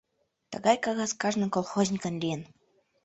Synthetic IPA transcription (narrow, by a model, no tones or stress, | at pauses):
t̪ə̰̆ɣɑjkɑɣɑskɑʐnɤ̆kolˠxozʲnʲikə̆nlʲiən